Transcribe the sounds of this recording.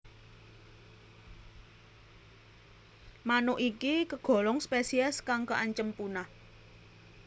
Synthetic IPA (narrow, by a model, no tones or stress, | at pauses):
manʊʔikikəɡ̥ɔ̤lɔŋspesiɛskaŋkəʔaɲt͡ʃəmpunah